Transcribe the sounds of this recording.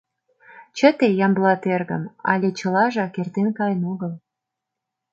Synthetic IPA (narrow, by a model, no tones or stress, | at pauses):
t͡ɕət̪ejɑmblɑt̪erɣə̰mɑ̰lʲet͡ɕə̆lɑʒɑkert̪enkɑjənoɣəl